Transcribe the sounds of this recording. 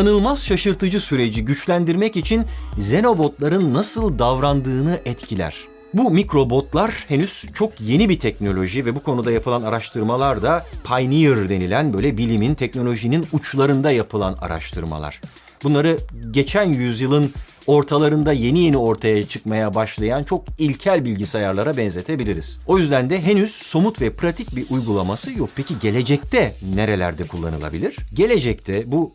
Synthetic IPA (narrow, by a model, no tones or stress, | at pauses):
anɯlˠmaz̥ʃaʃɯɾt̪ʰɯd͡ʒɯsyɾe̞d͡ʒiɟyt͡ʃlʲænd̪iɾmɛcit͡ʃʰinze̞no̞bo̞t̪lˠaɾɯnːasɯlˠd̪avɾand̪ɯːnɯʔɛt̪cʰilʲæ̰ɾ̝̥ | bumikɾo̞bo̞t̪lˠaɾhenyz̥t͡ʃʰo̞kje̞nibit̪ʰɛc̚no̞lʲo̞ʒivɛbukʰo̞nud̪ajapʰɯlˠanaɾaʃt̪ʰɯɾmalˠaɾd̪apʰajnijɯɾd̪e̞nilʲænbøjlʲɛbilʲimint̪ʰɛcno̞lʲo̞ʒininut͡ʃlˠaɾɯnd̪ajapʰɯlˠa̰na̰ɾa̰ʃt̪ʰɯɾma̰lˠa̰ɾ̥ | bunlˠaɾɯɟe̞t͡ʃʰænjyzjɯlˠɯn | o̞ɾt̪ʰalˠaɾɯnd̪aje̞nije̞nio̞ɾt̪ʰajat͡ʃʰɯkmajabaʃlˠajant͡ʃʰo̞k̚ilʲcʰælʲbilʲɟisajaɾlˠaɾabɛnze̞t̪ʰe̞bilʲiɾiz̥o̞jyzd̪ænd̪ɛɦenyz̥so̞mut̪vɛpʰɾat̪ʰic̚biɾʔujɡulˠamasɯjok̚pʰeciɟe̞lʲe̞d͡ʒɛc̚t̪ʰɛne̞ɾe̞lʲæ̰ɾd̪ɛkʰulˠːa̰nɯlˠa̰bilʲiɾ̥ɟe̞lʲe̞d͡ʒɛc̚t̪ʰɛbu